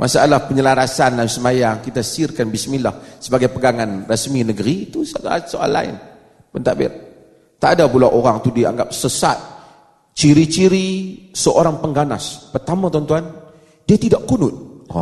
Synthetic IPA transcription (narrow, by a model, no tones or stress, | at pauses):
mʔa̰saalahpəɲəlaɾasanlamsəmajaŋkit̪asiɪrkanbismilahsəbaɡajpəɡaŋanrəsminəɡəɾit̪usasoɾa̰la̰ɪ̰n | pənt̪abɪ̰r | t̪adabulaʔoɾaŋt̪udia̰ŋɡap̚səsa̰t̪̚ | t͡ʃiɾit͡ʃiɾisəʔoɾaŋpəŋɡana̰spərt̪amat̪ɔnt̪uan | diat̪idaʔkunʊt̪̚